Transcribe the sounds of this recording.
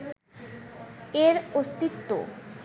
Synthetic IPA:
eɾost̪it̪ːo̰

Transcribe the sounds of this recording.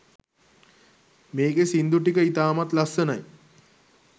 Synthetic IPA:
meːkesind̪uʈikəit̪aːmat̪lɐsənaj

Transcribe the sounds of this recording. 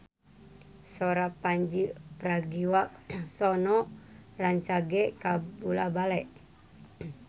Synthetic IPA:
sɔɾapaɲd͡ʒipɾaɡiwak̚sɔnɔraɲt͡ʃaɡɛkabulabalɛʔ

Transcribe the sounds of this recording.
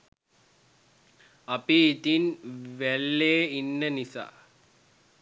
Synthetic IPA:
apiːt̪inʋælːeːinːənisa̰ː

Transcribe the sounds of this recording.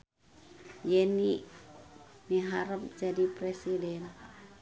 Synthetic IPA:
jɛni | niɦaɾəp̚d͡ʒadipɾɛsidɛn

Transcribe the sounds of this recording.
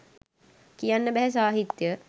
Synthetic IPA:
kijanːəbæɦæs̬aːɦit̪jə

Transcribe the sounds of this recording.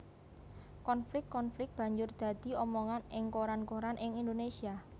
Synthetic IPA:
kɔnflɪkːɔnflɪk̚b̥ä̤ɲd͡ʒʊrd̪̥ä̤d̪̥i̤ɔmɔŋanɪŋkoɾankoɾanʔɪŋind̪onesia

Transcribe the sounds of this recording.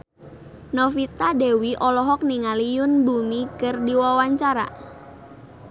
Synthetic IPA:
nɔfit̪adewiʔɔlɔɦɔk̚niŋalijʊnbumikərdiwawaɲt͡ʃaɾa̰

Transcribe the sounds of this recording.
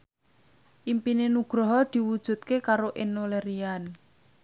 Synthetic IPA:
ʔimpinenuɡ̥ɾɔɦɔd̪̥i̤wud̥ʒ̥ṳt̪̚kekaɾoʔenːoleɾian

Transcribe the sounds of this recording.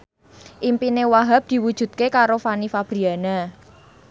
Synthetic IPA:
ʔimpinewaɦab̚d̪̥i̤wud̥ʒ̥ṳt̪̚kekaɾofanifab̥ɾiana

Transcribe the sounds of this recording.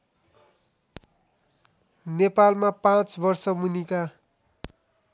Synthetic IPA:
nepalmapãt͡sbʌrsʌmunika

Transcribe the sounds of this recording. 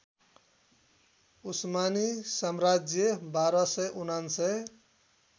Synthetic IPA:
usmanisəmɾad͡ʒjebaɾʌseʔunanse

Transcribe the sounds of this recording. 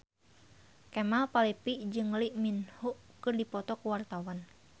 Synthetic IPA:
kɛmalpalɛpiʔd͡ʒɨŋliʔminhuʔkɨrdipɔt̪ɔkuwart̪awan

